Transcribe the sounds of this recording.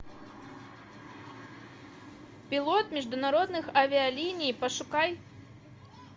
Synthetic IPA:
pʲilˠɔt̪mʲiʐd̪ʊnaɾɔd̪nɨxavʲiɐlʲinʲijpɐʂukaj

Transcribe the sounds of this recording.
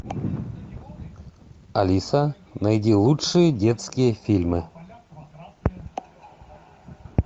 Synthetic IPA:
ɐlʲisa | najdʲilˠutʂɨjədʲet̪skʲɪjəfʲilʲmɨ

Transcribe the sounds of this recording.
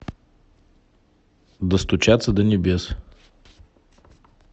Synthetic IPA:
d̪ɐst̪ʊt͡ʃat̪səd̪ɐnʲɛbʲɛs

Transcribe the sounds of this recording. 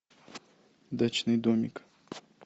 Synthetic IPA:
d̪at͡ɕnɨjd̪omʲɪk

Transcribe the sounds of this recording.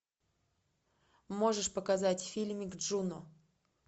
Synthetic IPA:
mo̞ʐɨʂpəkɐzatʲfʲilʲmʲɪɡʐunʊ

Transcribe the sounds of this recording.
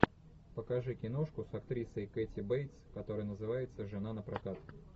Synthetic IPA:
pəkɐʐɨkʲɪno̞ʂkʊsɐkt̪ɾʲisəjketʲɪbejt̪skɐt̪o̞ɾɨjənəzɨvajɪt̪səʐɨnanəpɾɐkat̪

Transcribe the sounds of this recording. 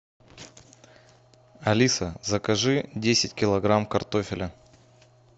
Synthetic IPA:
ɐlʲisəzəkɐʐɨdʲesʲɪtʲkʲɪlˠɐɡɾamkɐrt̪ofʲɪlʲə

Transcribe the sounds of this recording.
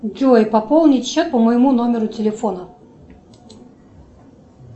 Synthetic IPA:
dʲujpɐpolˠnʲɪt̪ʲɕɛt̪̚pəməjɪmunomʲɪɾʊtʲɪlʲɪfɔnə

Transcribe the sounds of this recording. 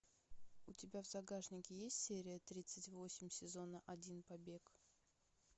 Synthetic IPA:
ʊtʲɪbʲavzɐɡaʐnʲɪkʲɪjesʲtʲsʲeɾʲɪjət̪ɾʲit̪sɨtʲvo̞sʲɪmʲsʲɪzo̞nəʔɐdʲinpɐbʲek

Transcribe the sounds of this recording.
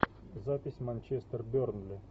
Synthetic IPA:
zapʲɪsʲmanʲt͡ɕest̪ərbʲornlʲɪ

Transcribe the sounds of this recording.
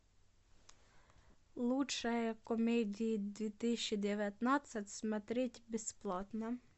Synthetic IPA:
lˠuʃɐjɛkɔmʲɛdʲijid̪ʲʋʲit̪ɪʃʲid̪eʋʲjɐt̪nɑt͡sʲːɐtʲsmɐt̪ɾʲɪtʲbesplˠɑt̪nɐ

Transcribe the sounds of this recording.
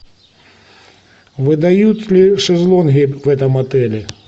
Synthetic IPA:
ʋɨd̪ɐjut͡sʲlʲiʂɛzlˠɔnɦʲiwɛt̪ɐmɐt̪ɛlʲɪ

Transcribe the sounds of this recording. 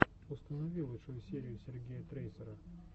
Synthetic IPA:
ʊst̪ənɐvʲilˠəʂojusʲeɾʲɪjʊsʲɪrɡʲejət̪ɾejsʲəɾə

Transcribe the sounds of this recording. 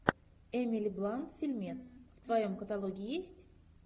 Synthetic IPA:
ɛmʲilʲiblˠant̪fʲilʲmʲet̪sft̪vɐjo̞mkət̪alˠoɡʲiijesʲtʲ

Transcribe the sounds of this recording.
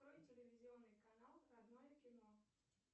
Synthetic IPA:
ɾɔjtʲelʲɪvʲizʲiɔnːɨjkanalˠɾad̪nɔjɛkʲɪnɔ

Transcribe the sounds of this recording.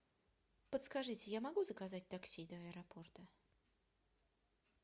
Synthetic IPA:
pət̪skaʐɨtʲɪjamɐɡuzəkazat̚ʲt̪aksʲid̪ɐɐɛɾɐport̪ə

